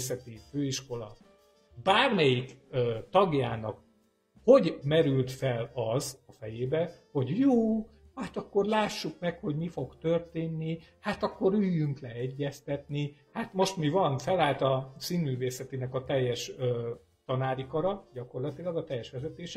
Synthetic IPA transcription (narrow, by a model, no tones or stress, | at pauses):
sɛt̪iføːiʃko̞lɒ̰ | baːrmɛjikːt̪ɒɡja̰ːnɒk | ho̞ɟmɛɾylt̪fɛlɒzɒfɛjeːbɛho̞ɟjoː | hat̪ɒkːo̞rlaːʃːukmɛkho̞ɟmifo̞ɡt̪ørt̪eːnːihat̪ɒkːo̞ɾyːjyŋklɛɛɟːɛst̪ɛt̪nihat̪mo̞ʃt̪mivɒnfɛlaːlt̪ɒsiːnmyːveːsɛt̪inɛkɒt̪ɛjːɛʃøː | t̪ɒnaːɾikɒɾɒɟɒko̞rlɒt̪ilɒɡɒt̪ɛjːɛʃʋɛzɛt̪eːʃɛ